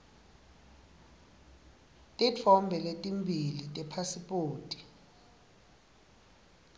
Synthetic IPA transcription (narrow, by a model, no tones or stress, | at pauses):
tʼit͡fʰɔmbʱɛletʼimbʱilitʼɛpʰasipʼoːtʼi̥